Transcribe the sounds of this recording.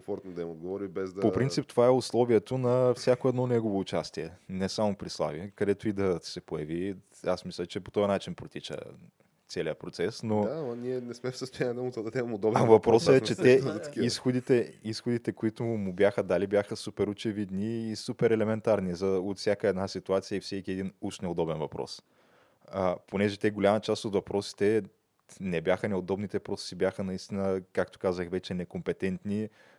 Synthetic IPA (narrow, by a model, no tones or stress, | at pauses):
fɔɾt̪nod̪ɐimod̪ɡovɔɾibɛzd̪popɾint̪ip̚t̪ovaɛʊslˠɔviɛt̪onɐfsʲjakoɛd̪nɔnɛɡovoːt͡ʃast̪iɛnɛsamʊpɾislˠa̰vḭkɐd̪ɛt̪ʊid̪ɐsɛpojɐvi | asmislʲɐt͡ʃɛpot̪ɔjɐnat͡ʃinpɾot̪it͡ʃə̰ | t̪sɛliəpɾot̪sɛsnoamɐniɛnɛsmɛfsəst̪ʊjanʲiɛd̪ɐmʊzəd̪ɐd̪ɛmɛmod̪ɔbvɐpɾɔsəɛt͡ʃɛt̪ɛzɐt̪ɐ̥kiisxod̪it̪ɛisxod̪it̪ɛkoit̪ʊmʊbʲjaxəd̪alibjaxəsupɛɾot͡ʃɛvid̪niːsupɛɾɛlɛmɛnt̪aɾnizɐot̪fsʲjakəɛd̪nasit̪uat̪sijəifsɛkʲiɛd̪inuʃnɛod̪ɔbɛnvɐpɾɔ̰s | əponɛʒɛt̪ɛɡolʲamət͡ʃast̪ot̪vɐpɾɔsi̥t̪ɛ | nɛbʲjaxənɛod̪ɔbnit̪ɛpɾot̪ssibʲjaxənɐist̪inəkakt̪ʊ̥kazəxvɛt͡ʃɛnɛkompɛt̪ɛnt̪ni